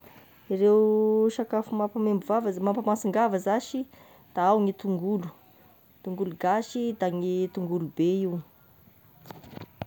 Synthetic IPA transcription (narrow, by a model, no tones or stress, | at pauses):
irewʃakafumapamembuvavəmampamasiŋɡavəzaʃi | d̪̥aawŋit̪uŋɡulu̥ | t̪uŋɡuluɡaʃid̪aŋit̪uŋɡulubeiw